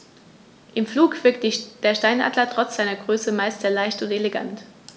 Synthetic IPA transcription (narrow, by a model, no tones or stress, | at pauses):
ʔɪmfluːkv̥ɪɐktd̥eːɐʃtaɪna̰ːdlɐtʁ̥ɔt͡sz̥aɪnɐɡʁøːsəmaɪstɐlaɪçtʊnteleɡa̰nt